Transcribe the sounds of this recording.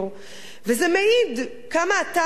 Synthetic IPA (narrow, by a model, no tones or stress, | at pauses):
vezɛmeid̪ | kamaːt̪a